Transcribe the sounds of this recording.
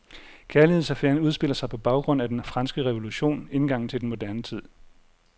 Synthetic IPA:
kʰæɐlihe̝̰sæfeɐnuð̞ˠsb̥e̝l̰ɐsɑ̈ɪpʰɒ̽b̥ɑ̈ʊɡ̥ʁɔ̽n̰æd̥enfʁɑ̈nsɡ̥əʁɛʋo̝luɕo̝̰ːnenɡ̥ɑ̈ŋ̰n̩t͡sʰe̝denmo̝d̥æɐnət͡sʰið̰ˠ

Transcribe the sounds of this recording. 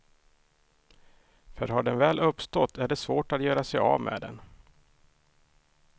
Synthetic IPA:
fœɾɦaɖɛnvɛːlʔɵpːst̪ɔt̪ʰːæɖɛsvoːʈat̪jœːɾasɛjɑ̰vmʔḛːd̪ɛ̰n

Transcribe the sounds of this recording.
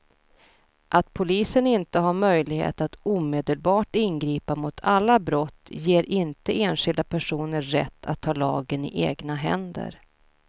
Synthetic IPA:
ʔat̪̚pʰʊliːsənɪnt̪əɦaɾmœjlɪɡhḛːt̪at̪uːmeːd̪əlbɑːʈɪnɡɾiːpamʊt̪ʰalːabɾɔt̪ːjeːɾʔɪnt̪əeːnɧɪld̪apʰæʂuːnəːɛ̰t̪ʰːa̰t̪ʰːɑːlɑ̰ːɡənɪ̰ʔeːɡnaɦɛ̰nd̪ə̰ɾ

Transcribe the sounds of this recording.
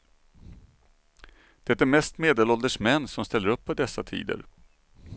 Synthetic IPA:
d̪̥ɛt̪ːæɾmɛst̪meːd̪elɔld̪əʂmɛnːsɔmst̪ɛlːəɾɵpːɔd̪ɛsːat̪ʰḭːd̪ə̰ɾ

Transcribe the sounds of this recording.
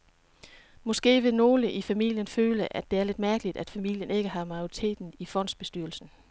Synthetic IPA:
mɒ̽sɡ̥e̝̰ːʋe̝no̝ːləʔifæmḭl̰jənføːləʔæd̥e̝æɐle̝d̥mæɐɡ̥əlid̥æd̥fæmil̰jəne̝ɡ̥əɦɑ̈mɑ̈ɪoʁit͡sʰe̝̰ːd̥n̩ifɒ̽n̰d̥sb̥e̝sd̥yɐl̩sn̩

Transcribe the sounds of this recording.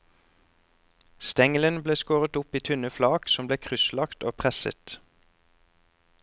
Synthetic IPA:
st̪ɛŋələnbleːskoːʁət̪ʊpiːt̪ʰʉnəflɑːksɔmbleːkʰʁʏslɑkt̪oːpʰʁɛsə̰t̪

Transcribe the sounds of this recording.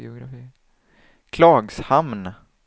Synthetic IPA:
ɪ̰ʊɡɾafiː | kʰlɑːɡshamn

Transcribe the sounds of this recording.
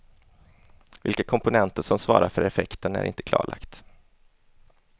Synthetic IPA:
vɪlkakʰɔmpʊnɛnt̪əʂɔmsvɑ̰ːɾaɾfœɾɛfɛkt̪ənæ̰ɾɪ̰nt̪ə̥kʰlɑ̰ːɭa̰kt̪

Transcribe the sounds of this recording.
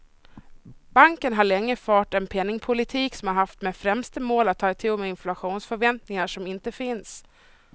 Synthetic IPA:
b̥aŋkənɦaɭɛŋːəfɑːʈɛnpʰɛnːɪŋpʰʊlɪt̪ʰiːksɔmhaɾɦaft̪meːfɾɛmst̪əmoːlat̪ʰːɑːɛt̪ʰɪlmɛɪnflaɧuːnsfœɾvɛnt̪nɪŋaʂɔmɪnt̪əfɪns

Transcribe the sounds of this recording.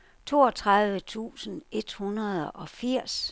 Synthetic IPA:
t͡sʰo̝̰ːɒt͡sʰʁaðˠʋət͡sʰṵːsn̩e̝d̥hunɐð̞ˠɒ̽fiɐ̰s

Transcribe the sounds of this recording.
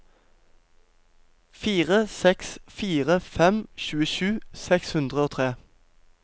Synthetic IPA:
fiːʁəsɛksfiːʁəfɛmʃʉːəʃʉːsɛkshʉnd̪ʁəoːt̪ʰʁeː

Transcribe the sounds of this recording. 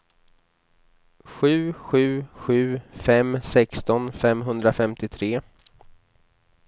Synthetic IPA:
ɧʉ̟ːɧʉ̟ːɧʉ̟ːfɛmsɛkst̪ɔnfɛmɦɵnd̪ɾafɛmt̪ɪt̪ʰɾeː

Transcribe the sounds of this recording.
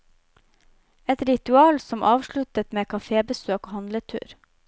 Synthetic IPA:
ɛt̪ɾɪt̪ʉɑːlsɔmʔɑːʋʃɭʉt̪ət̪meːkʰɑfeːbəsøːkoːhɑnlət̪ʰʉ̰ːɾ

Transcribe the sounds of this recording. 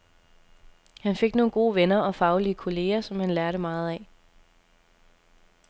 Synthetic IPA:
hænfe̝ɡ̥no̝ːn̩ɡ̥o̝̰ːʋenɐʔɒ̽fɑ̈ʊliəkʰo̝le̝̰ːɐsɒ̽mhænlæɐɾəmɑ̈ːð̩ˠɛ

